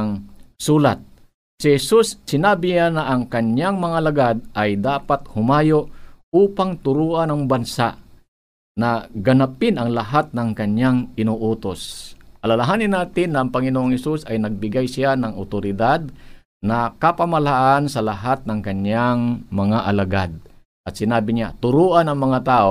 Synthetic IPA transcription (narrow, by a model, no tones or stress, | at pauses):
ŋsuːlat̪̚ | sɪhɛsusːɪnaːbɪɲanɐʔɐŋkɐɲjaŋmɐŋalɐɡad̪̚ʔɐjd̪aːpat̪̚hʊmaːjoʔʔuːpaŋt̪ʊɾuːʔanɐŋbɐnsaʔ | nɐɡɐnapɪnʔɐŋlɐɦat̪̚nɐŋkɐɲjaŋɪnoːʔuːt̪osʔɐlɐlaɦaːnɪnːaːt̪ɪnːɐʔːŋpɐŋɪnoːʔoŋhɛsusɐjnɐɡ̚bɪɡajsɪanɐŋʔʊt̪oɾɪd̪ad̪̚ | nɐkɐpɐmɐlaʔansɐlɐɦat̪̚nɐŋkɐɲːaŋmɐŋaʔɐlɐɡa̰d̪̚ | ʔɐt̪sɪnaːbɪɲat̪ʊɾuːʔanɐŋmɐŋat̪aːʔo